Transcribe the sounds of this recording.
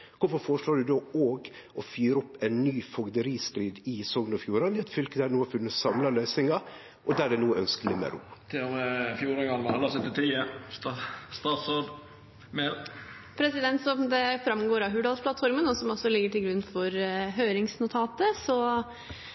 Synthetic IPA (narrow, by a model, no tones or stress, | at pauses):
kʰʊɾfɔɾfɔɾəʂloːɖʉd̪oːoːɡ | ʔɔfyːɾəɔpːɛɪnːyːfɔɡd̪əɾiːst̪ɾiːd̪ɪsɔŋnɔfjuːɾɑnɪɛt̪fʏlkəd̪ænuːæfʉnːəsɑmlɑlœʏsɪŋɑ | ʔɔd̪æɖɛnuːəœnskəlɪmɛ̰ɾuːt̪ʰɪomɛfjuːɾəŋɡɑnʋɑɑlːɑsœt̪ːɪt̪ʰiːəst̪st̪ɑːt̪sod̪ | mɛl | pʰɾɛsɪd̪ɛnt̪sɔmd̪ɛfɾɑmɡoːɾɑɦʉːɖɑlspʰlɑt̪fɔɾmənɔsɔmɔsːɔlɪɡːəʈɪlɡɾʉnːfɔɾɦøːɾɪŋsnʊt̪ʰɑːt̪əsɔ